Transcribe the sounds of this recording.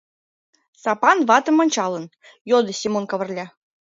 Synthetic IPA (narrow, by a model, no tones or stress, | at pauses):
sɑpɑnvɑt̪ɤ̆mɑnʲt͡ɕɑlə̆n | jod̪ɤ̆sʲimonkɑβɤ̆rlʲɑ